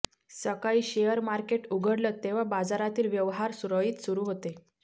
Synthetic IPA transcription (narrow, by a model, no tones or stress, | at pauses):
səkaiːɕejəɾmaɾkeʈuɡʱəɽlət̪ːeʋ̤abad͡zaɾat̪iːlʋjəʋɦaɾsuɾəiːt̪suɾuːɦot̪e